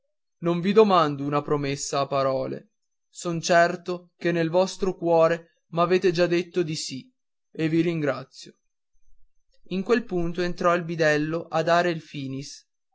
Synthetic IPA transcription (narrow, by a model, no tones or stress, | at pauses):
noɱvid̪omand̪ounapɾomesːaːpːaɾɔːlḛ | sont͡ʃɛrt̪okenːelvɔst̪ɾokwɔːɾe | maveːt̪ed͡ʒad̪ːet̪ːod̪isi | eviɾiŋɡɾat̪sːjo | iŋkwelpunt̪oent̪ɾɔilbid̪ɛlːoʔad̪ːaːɾeilfiːnis